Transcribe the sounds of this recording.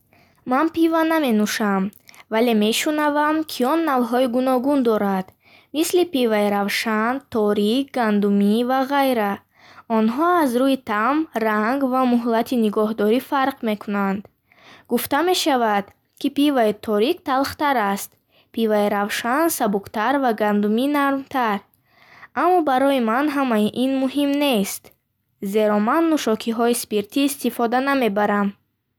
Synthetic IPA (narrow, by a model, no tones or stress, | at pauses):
manpivaname̞nuʃamvale̞me̞ʃunavamkʰiɔnːalɦɔiɡunɔɡund̪ɔɾad̪̥ | mislipivaiɾavʃant̪ʰɔɾik̚ɡand̪umivaʁajɾa | ɔnɦɔazɾuit̪ʰamraŋɡvamuɦlat̪ʰiniɡɔɦd̪ɔɾifaɾqme̞kʰunand̪ | ɡuft̪ame̞ʃavad̪̥ | kʰipivait̪ʰɔɾikt̪ʰalχt̪aɾast̪ | pʰivaiɾavʃansabukt̪aɾvaɡand̪uminaɾmt̪ʰaɾ | amːɔbaɾɔimanɦamaiʔinmuɦimne̞st̪ | ze̞ɾɔmanːuʃɔkʰiɦɔispiɾt̪ʰiːst̪ifɔd̪aname̞baɾam